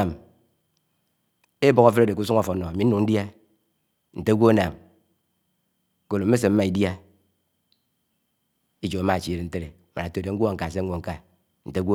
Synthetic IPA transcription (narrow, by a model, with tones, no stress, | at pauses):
m | e˦bo˨ka˦fe˦ɾo˦˨de˨ku˦su˦ŋa˦fo˨˦o˨a˨mi˨n̩˦nu˨ŋn̩˦dja˦ | n̩˨te˦ɡʷo˦a˦na˨m | ko˦lo˨m̩˦e˦s̬e˨m̩˦ma˦i˨dja˦ | i˦d͡ʒo˨a˨˦ma˦˨t͡ʃi˨ɾe˨n̩˦te˦ɾe˨ma˨a˨to˦˨de˨ŋ̩˦ɡʷo˦a˨ŋ̩˨ka˨s̬e˦ŋʷ˦o˦˨ŋ̩˦ka˦ | n̩˨te˦ɡo˦